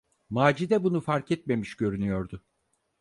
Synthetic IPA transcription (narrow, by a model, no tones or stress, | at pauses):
maːd͡ʒid̪ɛbunufaɾcɛt̪̚me̞miʃɟø̞ɾynyjo̞ɾd̪ʊ